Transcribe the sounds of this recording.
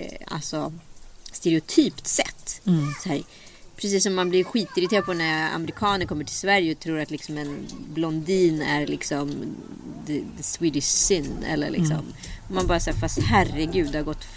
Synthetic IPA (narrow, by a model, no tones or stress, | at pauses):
a̰lsɔst̪ɛɾɛʊt̪ʰyːpt̪sɛ̰t̪ːsæːɾ | pʰɾɛsiːsːɔmːanblɪɾɧiːt̪ɪɾɪt̪ʰeːɾd̪pɔnæɾa̰mɛɾɪkʰɑːnəɾkʰɔmːəʈʰɪlsvæɾjəɔt̪ʰɾuːɾat̪lɪksɔmɛnblɔnd̪iːnæɾlɪksɔm | d̪ɛd̪ɛswiːd̪ɪʂsɪnːɛ̰lːə̰ɭʔɪ̰kssɔ̰m | ɔmːanbɑːɾasæːɾfast̪hærɛɡʉ̟ːd̪haɾɡɔt̪ː